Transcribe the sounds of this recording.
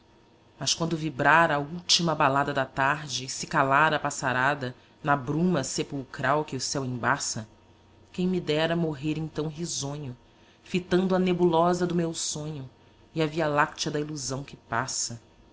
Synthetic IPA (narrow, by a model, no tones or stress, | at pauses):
mɐskwɐ̃nd̪ʊvibɾaɾɐuwt͡ʃimɐbalad̪ɐd̪ɐt̪aɾd͡ʒɪsɪkalaɾɐpasaɾad̪ɐ | nɐbɾũmɐsepuwkɾawkɪʊsɛwẽbasɐ | kẽj̃mid̪ɛɾɐmoɦeɾẽt̪ɐ̃w̃ɦizõɲʊ | fit̪ɐ̃nd̪ʊɐnebulɔzɐd̪ʊmewsõɲʊ | iɐvialakt͡ʃɐd̪ɐiluzɐ̃w̃kɪpasɐ